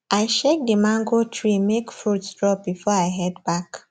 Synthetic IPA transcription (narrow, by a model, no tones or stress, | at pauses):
ʔajʃek̚dəmãŋɡotʰɹimekfɹutsdɹɔbifɔaɪɦɛdbak